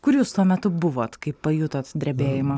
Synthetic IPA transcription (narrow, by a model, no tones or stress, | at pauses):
kʊɾʲjuːst̪uɔmʲɛt̪ʊbʊʋoːt̪kɐɪppɐjut̪oːt̪d̪ʲɾʲɛbʲeːjɪmɐ